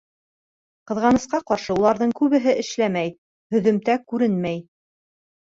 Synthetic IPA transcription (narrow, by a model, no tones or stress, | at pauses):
qɤ̆ðʁɑnɤ̆sqɑqɑɾʃɤulˠɑɾðɤɴkʉβɘ̆ɦɘʔɘ̆ʃlæmæj | hɵ̆ðɵ̆mt̪ækʉɾɘnmæj